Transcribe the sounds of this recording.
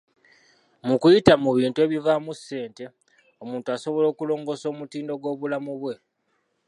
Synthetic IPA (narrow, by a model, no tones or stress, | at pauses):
mukujitamuβiːntue̞ːβivamusːe̞ːnte̞ | o̞muːntuaso̞βo̞lo̞ːkulo̞ːŋɡo̞so̞ːmutiːndo̞ɡo̞ːβulamuβwe̞